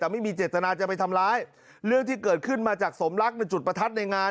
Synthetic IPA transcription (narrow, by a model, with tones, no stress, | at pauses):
t̪ɛː˨˩ma˥˩jmiː˧t͡ɕeː˨˩t̪ːa˧naː˧t͡ɕa˨˩pa˧jt̪ʰa˧mɾaː˦˥j | ɾɯ˥˩əŋt̪ʰiː˥˩kɤː˨˩t̪̚kʰɯ˥˩nmaː˧t͡ɕaː˨˩k̚so˩˦mla˦˥k̚na˧jt͡ɕu˨˩t̪̚pɾa˧t̪ʰa˦˥t̪̚na˧jŋaː˧